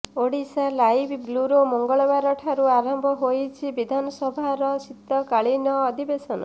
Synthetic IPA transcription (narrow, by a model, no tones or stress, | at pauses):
oɽisalajbbluɾomɔŋɡɔɭɔbaɾɔʈʰaɾuaɾɔmbʱɔɦojt͡ʃʰibid̪ʱanɔsɔbʱaɾɔsit̪ːɔkaɭinɔːd̪ʱibesɔnɔ̰